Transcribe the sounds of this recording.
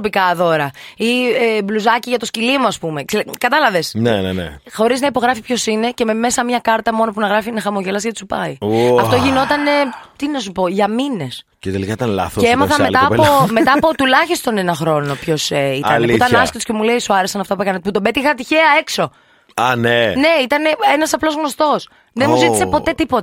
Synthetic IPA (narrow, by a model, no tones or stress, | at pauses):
pikɐðo̞ɾɐiebluzɐciʝɐt̪oscilimoɐspume̞ksekɐt̪ɐlɐve̞snenenḛxo̞ɾiznɐipo̞ɣɾɐfipço̞sine̞cememe̞sɐmɲɐkɐɾt̪ɐmo̞no̞punɐɣɾɐfinɐxɐmo̞ʝelɐsʝɐt̪i̥supɐ̰ioɐft̪oʝino̞t̪ɐne̞t̪inɐs̬upo̞ʝɐmine̞s | cet̪elikɐit̪ɐnlɐ̰θoeemɐθɐmet̪ɐːpomet̪ɐːpot̪ulɐçist̪o̞nenɐxɾo̞no̞pço̞seit̪ɐneut̪ɐnɐsket̪o̥scemule̞isuɐɾesɐnɐft̪ɐpuekɐnet̪̚put̪obet̪ixɐt̪içeɐe̞kso̞ | ɐnene̞it̪ɐne̞enɐsɐplo̞zɣno̞st̪o̞s | ðenmuziti̥ssepo̞t̪e̞t̪ipo̞t̪ɐ̥